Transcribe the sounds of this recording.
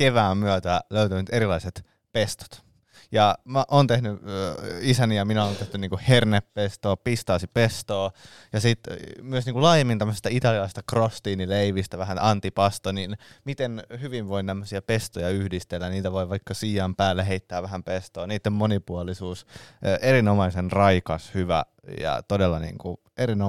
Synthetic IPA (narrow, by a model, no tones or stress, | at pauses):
keʋæːmmyæt̪æløyt̪ænyt̪eɾilɑiset̪ | pest̪o̥t̪ | jɑmæʔoːnt̪ehny | isænijɑminæoːnt̪eht̪yniːŋkuherneppest̪oːpist̪ɑːsipest̪oː | jɑsit̪myøsniːŋkulɑːjemːint̪æmːəse̥st̪æit̪ɑliɑlɑˑisest̪ɑkrost̪iːnileiʋist̪æʋæɦænʔɑnt̪ipɑst̪oninmit̪enhyʋiʋʋoint̪æmːøsiæpest̪ojɑyhdist̪elːænniːt̪æʋoiʋɑikːɑsiːɑmpæːlːeɦeit̪ːæːʋʋæhæmpest̪oːniːt̪ːemmonipuɑlisuːsʔerinomɑisenrɑikɑshyʋæ̰ | jɑ̰t̪odelːɑnḭːŋku | ʔerino